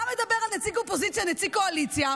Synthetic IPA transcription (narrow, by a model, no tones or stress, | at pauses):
avɐd̪ɐbɛɾɐnɛt̪sikopozit̪sijɐnɛt̪sikoɐlit̪sijɐ